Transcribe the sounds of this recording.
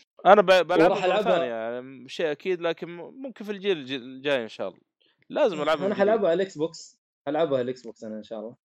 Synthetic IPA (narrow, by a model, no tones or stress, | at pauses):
ʔanababalʕaɾˤɑʔaʕaθaːnijaʕniʃeːʔakiːd̪laːkɪnmʊmkɪnfild͡ʒiːld͡ʒid͡ʒaːjʔɪnʃa̰ːʔɑlːˤɑ̰ | laːzɪmʔalʕabʔanaħalʕabʕalʔɪksbuːks | ħalʕabalʔɪksbuːksʔanaɪnʃaːʔɑlˤːɑː